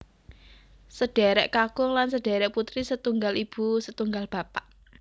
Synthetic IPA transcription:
səɖ̥ɛ̤ɾɛʔkakʊŋlansəɖ̥ɛɾɛʔput̪ɾisət̪uŋɡalib̥ṳsət̪uŋɡalb̥a̤paʔ

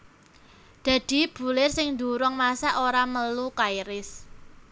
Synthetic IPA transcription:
d̪̥ä̤d̪̥i̤b̥ṳlɪrsɪŋnd̪uɾɔŋmasaʔoɾaməlukajɾɪs

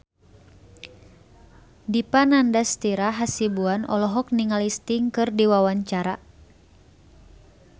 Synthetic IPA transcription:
dipanandast̪iɾaɦasibuanɔlɔɦɔk̚niŋalist̪iŋkɨrdiwawaɲt͡ʃaɾa

